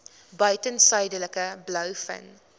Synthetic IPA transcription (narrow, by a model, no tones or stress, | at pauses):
bœɥtənsœjdələkəblœwfə̰n